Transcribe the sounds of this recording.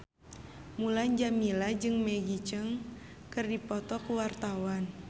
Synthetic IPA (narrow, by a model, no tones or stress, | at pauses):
mulaɲd͡ʒamilad͡ʒɨŋmɛɡit͡ʃəŋ | kɨrdipɔt̪ɔkuwart̪awan